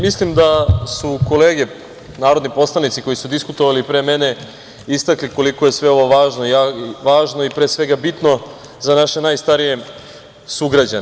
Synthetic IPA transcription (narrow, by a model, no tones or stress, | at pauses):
mislimd̪asuko̞le̞ːɡe̞ | naːɾod̪nipo̞slˠanit̪siko̞jisud̪iskut̪oʋalipɾe̞ːme̞ne̞ | ist̪akliko̞liko̞je̞sʋe̞o̞ʋo̞ʋaːʒnoijaʋaːʒnoipɾeːsʋe̞ɡabit̪no̞ | zanaʃe̞naːjst̪aɾije̞ | suɡɾad͡ʑan